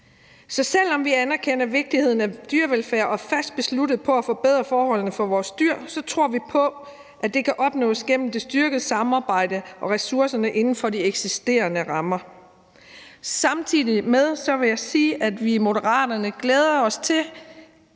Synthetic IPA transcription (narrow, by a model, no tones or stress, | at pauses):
sɒ̽sel̰ɒ̽mʋiænæɐkʰen̰ɐʋe̝ɡ̥̚d̥ihe̝ð̞̰ˠn̩æd̥yɐʋelfæɐʔɒ̽fæsd̥̚b̥e̝slud̥ð̞̩ˠpʰɒ̽æfɒ̽b̥eð̞̰ˠʁɐfɒːhɒ̽l̰n̩əfɒ̽ʋɒːsd̥yɐ̰sɒ̽t͡sʰʁo̝ɐ̰ʋipʰɒ̽ | ʔæd̥e̝kʰæʔɒ̽b̥nɔ̰̽ːsɡ̥en̰m̩d̥e̝sd̥yɐɡ̥əð̩ˠsɑ̈mɑ̈ːb̥ɑ̈ɪ̰d̥əʔɒ̽ʁɛsuɐsɐnəʔe̝nn̩fɒ̽d̥ieɡ̥sisd̥e̝̰ːɐnəʁɑ̈mɐ | sɑ̈mt͡sʰḭð̰ˠimeð̞ˠsɒ̽ʋe̝jɑ̈ɪsiːʔæd̥ʋimo̝dəʁɑ̰̈ːd̥ɐnəɡ̥leːð̞ˠɐɒ̽st͡sʰe̝l